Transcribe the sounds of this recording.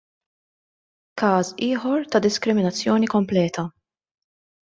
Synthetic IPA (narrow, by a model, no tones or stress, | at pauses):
kɐːsɪːħɔɾt̪ɐd̪ɪskɾɪmɪnɐt͡sːjɔːnikɔmplɛːt̪ʰɐ